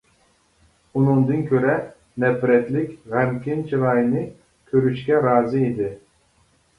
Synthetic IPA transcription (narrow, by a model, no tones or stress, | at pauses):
unuŋd̪ɨnkʰʲøɾɛ | nɛpɾɛt̪likʲʁæmkʲint͡ʃʰɨɾɑjɨnɨ | kʲʰøɾyʃkʲɛɾɑːzɨid̪ɪ